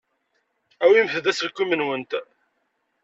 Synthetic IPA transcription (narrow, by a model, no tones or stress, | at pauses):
æwimθəðæsəlkːumənwənt̪